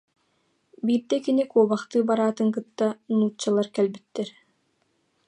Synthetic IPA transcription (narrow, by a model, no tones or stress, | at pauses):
biːɾd̪ɛkinikuɔbaχt̪ɯːbaɾaːt̪ɯŋkɯt̪ːanuːt͡ɕːalˠaɾkɛlbit̪ːɛɾ